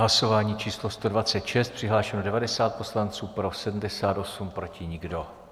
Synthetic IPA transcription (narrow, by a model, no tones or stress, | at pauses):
laso̞vaːɲiːt͡ʃiːslo̞st̪o̞dvat͡sɛt̪ʃɛst̪̚pr̝̥ɪɦlaːʃɛnodɛvadɛsaːt̪̚po̞slant͡suːpɾo̞sɛdm̩dɛsaːt̪o̞sumpɾo̞cɪɲɪɡdo̞